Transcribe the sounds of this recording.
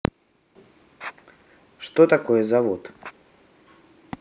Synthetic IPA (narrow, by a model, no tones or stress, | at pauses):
ʂt̪ot̪ɐkojəzɐvot̪